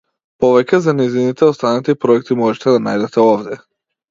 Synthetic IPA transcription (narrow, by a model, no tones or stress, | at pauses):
pɔvɛcɛzanɛjzinit̪ɛɔst̪anat̪ipɾɔɛk̚t̪imɔʒɛt̪ɛd̪ana̰jd̪ɛt̪ɛɔvd̪ɛ